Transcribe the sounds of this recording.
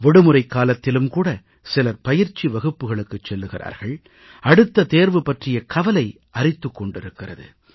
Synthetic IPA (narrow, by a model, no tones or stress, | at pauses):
ʋɪɽɯmɯɾɐɪkːaːlɐt̪ːɪlɯmkuːɽɐ | sɪlɐpɐjɪɾt͡ʃiʋɐɣɯpːɯɣɐɭɯkːɯt͡ʃːɛlːɯɣɪra̰ːɾɣɐɭ | ɐɽɯt̪ːɐt̪eːɾʋɯpɐʈrɪjɐkɐʋɐlɐɪ | ʔɐrɪt̪ːɯkːɔɳɖɪɾɯkːɪrɐ̰ðɯ̰